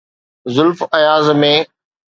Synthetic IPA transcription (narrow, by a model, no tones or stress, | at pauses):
zʊlfɐjaːzmẽ